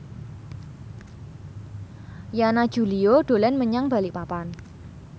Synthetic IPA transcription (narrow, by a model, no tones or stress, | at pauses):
janad̥ʒ̥ṳlioɖ̥o̤lɛnməɲaŋba̤lɪkpapan